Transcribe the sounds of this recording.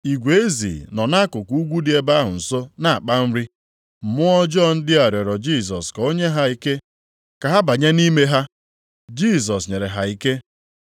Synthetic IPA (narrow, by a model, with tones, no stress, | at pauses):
i˨ɡʷe˨˦zḭ˨nɔ˨na˦kʊ˨ku˨u˦ɡʷu˦dɪ˨˦e˦ba˦ɦʊ̰˨n̩˨so˦na˨a˨k͡pa˦n̩˦ɾi˦ | m̩˨mʊ˦ɔ˦d͡ʒɔ˦˨n̩˦dɪ˦a˨ɾɔ˨ɾɔ˨d͡ʒi˦˨s̬ɔ˨sko˦ɲe˦ɦa˦i˦ke˦ | ka˨ɦa˦ba˨ɲe˦ni˦me˦ɦa˦ | d͡ʒi˦˨s̬ɔ˨s̬ɲe˨ɾe˨ɦa˨i˦ke˦